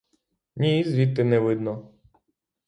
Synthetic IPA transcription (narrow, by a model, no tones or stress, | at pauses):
nʲizʋʲit̪ːɪnɛʋɪd̪nɔ